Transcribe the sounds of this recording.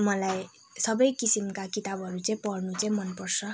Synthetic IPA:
mʌlaj | sʌbʌjkisimkakit̪abʱɦʌɾut͡saĩpʌrnut͡saĩmʌnpʌrsʰʌ

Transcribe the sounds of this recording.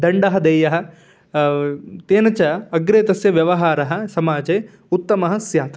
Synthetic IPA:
d̪ɐɳɖɐɦɐd̪eːjɐɦɐ̆ | t̪eːnɐt͡ʃɐɐɡɾeːt̪ɐsjɐʋjɐʋɐɦaːɾɐɦɐ̆sɐmaːd͡ʒeː | ut̪ːɐmɐɦɐ̆sjaːt̪ɐ

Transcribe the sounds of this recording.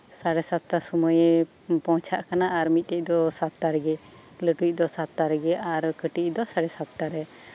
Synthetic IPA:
saɽɛsat̪ːasuməj | pɔ̃t͡ʃʰaʔkanaʔaɾmit̪̚ˀt̪ɛc̚ˀd̪ɔsat̪ːaɾɛɡɛ | ləʈuc̚ˀd̪ɔsat̪ːaɾɛɡɛaɾkəʈid̪ɔsaɽɛsat̪ːaɾɛ

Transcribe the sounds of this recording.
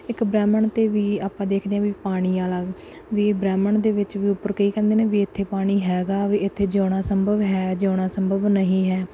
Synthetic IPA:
ɪkbɾɛːməɳt̪eːʋiːaːpãːd̪eːkʰd̪eːãːʋiːpaːɽ̃iːaːlaː | ʋiːbɾɛːməɳd̪eːʋɪt͡ʃʋiːʊpːəɾkəiːkɛ̃ːnd̪eːnẽːʋiːɪt̪ʰːeːpaːɽ̃iːɦɛːɡaːʋiːɪt̪ʰːeːd͡ʒoːɽ̃aːsəmbʱəʋɦɛːd͡ʒoːɽ̃aːsəmbʱəʋnəɦĩːɦɛː

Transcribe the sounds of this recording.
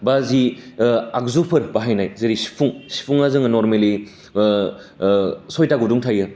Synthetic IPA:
bazi | ak̚zupʰɯɾbaɦajnajzeɾisi̥pʰuŋsi̥pʰuŋazɯŋnoɾmeli | sojtaɡuduŋtʰajɯ

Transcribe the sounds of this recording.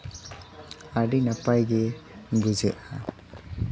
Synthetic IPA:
aɖinapajɡeɡud͡ʒɛʔa

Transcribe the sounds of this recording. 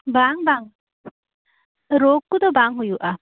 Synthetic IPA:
baŋbaŋ | ɾokːud̪ɔbaŋɦujuʔa

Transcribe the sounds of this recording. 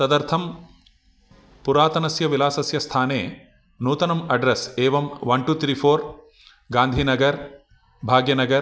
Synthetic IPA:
t̪ɐd̪ɐɾt̪ʰɐm | puɾaːt̪ɐnɐsjɐʋilaːsɐsjɐst̪ʰaːneː | nuːt̪ɐnɐmɐɖɾɐseːʋɐmʋɐɳʈut̪ʰɾiːpʰoːɾ | ɡaːnd̪ʱiːnɐɡɐɾ | bʱaːɡjɐnɐɡɐɾ

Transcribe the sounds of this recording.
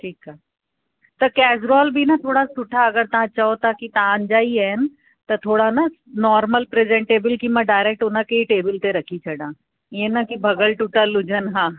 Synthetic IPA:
ʈʰiːkaː | t̪ɐkɛːzɾɔːlbʱinɐt̪ʰoːɽasʊʈʰaɐɡəɾt̪ɐɦãt͡ʃaɦot̪akit̪aãɐ̃ɲd͡ʒaːiɦɛn | t̪ɐt̪ʰoːɽanɐnɔːɾməlpɾezẽɳʈeːbɪlkimɛ̃ɖaːɪɾek̚ʈʊnãkeiʈeːbɪlt̪eɾɐkʰit͡ʃʰɐɽãː | jenɐkibʱɐɡəlʈuʈalʊd͡ʒʱənɦãː

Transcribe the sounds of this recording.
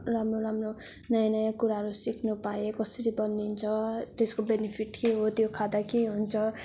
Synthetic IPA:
ramroɾamro | nʌjanʌjãkuɾaɦʌɾusikʰnupaekʌsʌɾibʌnd̪int͡sʰʌt̪eskobenipʰiʈkeɦot̪jokʰad̪akeɦunt͡sʰʌ

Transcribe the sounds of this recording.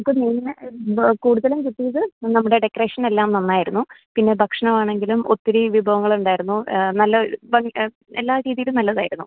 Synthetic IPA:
nɐmukːɨniːnɨkuːɽuðɐlumkuʈːijɐðɨnɐmːuɽe̞ɖekɐre̞ːʂɐne̞lːaːmnɐnːaːjiɾunːupinːe̞bʱɐkʂɐɳɐmaːɳe̞ŋɡilumot̪ːiɾiʋibʱɐʋɐŋːɐɭuɳɖaːjiɾunːunɐlːɐʋɐŋ | elːaːɾiːðijlumnɐlːɐðaːjiɾunːu

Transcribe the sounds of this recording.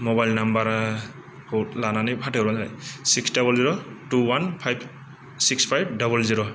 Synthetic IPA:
mɔbajlnambaɾa | hotlananipʰateɾanzana̰jsiksdabɔlziɹɔtuwanpʰajb | sikspʰajb̚dabɔlziɹɔ

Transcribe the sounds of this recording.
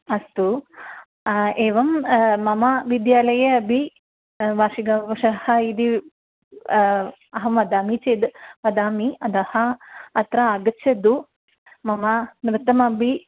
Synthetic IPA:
ɐst̪u | eːʋɐmmɐmɐʋid̪jaːlɐjɐɐbʱi | ʋaːʂiɡaːʋɐʂɐhɐid̪i | ɐɦɐmʋɐd̪aːmit͡ʃeːd̪ʋɐd̪aːmiɐd̪ɐhɐːt̪ɾɐaːɡɐtːʃʰɐd̪u | mɐmɐnɾɪt̪ːɐmɐbʱi

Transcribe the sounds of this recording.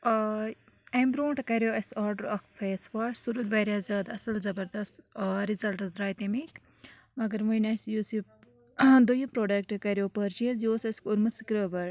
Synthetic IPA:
embɾoːɳʈkɐɾjoːɐsaːɾɖəɾɐkfʰeːsʋaːʈsuɾud̪ʋɐːɾaːzaːd̪ɐsɐlzɐbɐɾd̪ɐst̪ɾizɐlʈɐzɾaːjt̪emi | mɐɡɐɾmujnɐsjuːsip | d̪ujɐpɾoːɖɐk̚ʈkɐɾjoːpəɾt͡ʃizoːsɐskuɾmɐsikɾəːʋɐɾ

